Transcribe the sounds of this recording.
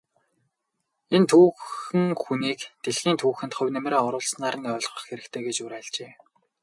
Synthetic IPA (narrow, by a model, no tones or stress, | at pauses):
ent̪ʰuːxɘ̆ŋxuniːkt̪eɮɣiːnt̪ʰuːxɘ̆nt̪χʊ̟wʲnemɾaːɔɾʊːɮsnaːɾə̆nœːɮʁɞ̆χxeɾɘ̆kt̪ʰeːɡet͡ɕuɾæːɮt͡ɕeː